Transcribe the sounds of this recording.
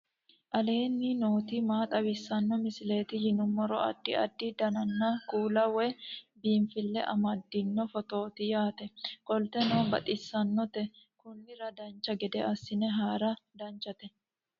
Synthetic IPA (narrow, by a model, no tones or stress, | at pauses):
ʔɐle̞ːnːinoːt̪ɪmaːt̪ʼɐwɪsːɐnːɔmɪsɪle̞ːt̪ɪjɪnʊmːɔɾɔ̰ɐ̰d̪ːɪɐ̰d̪ːɪd̪ɐnɐnːɐkuːlɐwɛbiːmfɪlːɛʔɐ̰mɐd̪ːɪnːɔfɔt̪oːt̪ɪjaːt̪ɛkʼɔlt̪ɛnoːbɐt̪ʼɪsːɐnːɔt̪ɛkʊnːɪɾɐd̪ɐnt͡ʃːɐɡɛd̪ɛʔɐsːɪnɛɦaːɾɐd̪ɐnt͡ʃːɐt̪ɛ